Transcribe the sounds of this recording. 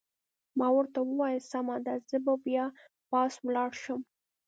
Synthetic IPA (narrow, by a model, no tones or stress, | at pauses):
mɑwəɾt̪awəwɑjasamad̪azəbabjɑ | pɑswlɑɽʃəm